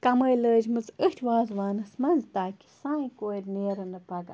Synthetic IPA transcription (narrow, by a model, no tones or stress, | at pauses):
kɐməjləːd͡ʒmɨt͡səht̪ʲʰʋaːzʋaːnɨsmɐnzt̪aːkʲi̥saːĩkoːjɾʲneːɾɐnɨpɐɡa